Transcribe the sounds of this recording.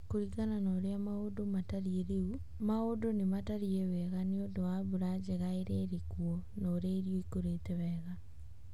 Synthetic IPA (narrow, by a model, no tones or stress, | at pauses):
koɾiɣananɔːɾeamaodomataɾieɾeu | maodonemataɾiewɛɣaneondowaβuɾad͡ʑeɣaeɾeɾekwɔnɔːɾeaiɾioikoɾetɛwɛːɣa